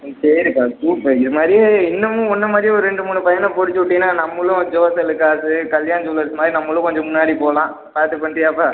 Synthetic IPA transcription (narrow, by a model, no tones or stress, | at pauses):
sɐɾɾɯkːaːsuːpːɐɪðɯmaːd̪ɾieɪnːɐmːɯ̃ɔnːɐmaːd̪ɾiɔɾɯɾɛɳɖɯmuːɳːɯpɐjɐnɐ̃pɔɽɯt͡ʃːɯʋʊʈːɪnːaːnɐmːɐɭʊ̃d͡ʒoːsɐlɯkːaːsɯkɐljaːnɐsɔlːɐɾsɯmaːd̪ɾinɐmːɐlʊ̃kɔɲd͡ʒɔ̃mʊnːaːɽipoːlãː | paːɾt̪ɯpɐɳʈːɪjaːpːaː